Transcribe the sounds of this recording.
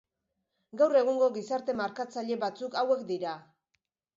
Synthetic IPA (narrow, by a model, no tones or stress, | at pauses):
ɡawre̞ɣ̞uŋɡo̞ɣisaɾt̪e̞maɾkat͡saʎe̞βat͡sukawe̞kd̪iɾa